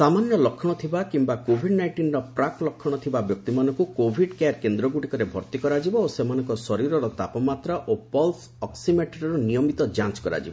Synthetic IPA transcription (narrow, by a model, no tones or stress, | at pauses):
samanjɔlɔkʰːɔɽ̃ɔt̪ʰibakimbakobʱiɖnajʈinɾɔpɾaklɔkʰːɔɽ̃ɔt̪ʰibabjɔk̚t̪imanɔ̃ŋkukobʱiɖkaɾkend̪ɾɔɡuʈikɔɾebʱɔɾt̪ikɔɾad͡ʒibɔosemanɔ̃ŋkɔsɔɾiɾɔɾɔt̪apɔmat̪ɾaʔopɔls | ɔksimeʈeɾɔɾɔnijɔmit̪ɔd͡ʒãnt͡ʃkɔɾa̰d͡ʒibɔ